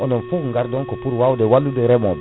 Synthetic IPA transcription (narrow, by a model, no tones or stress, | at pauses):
ɔnɔ̃foũŋɡaɾd̪ɔ̃ŋkɔpuɾwawdewalːud̪eɾɛmɔ̃b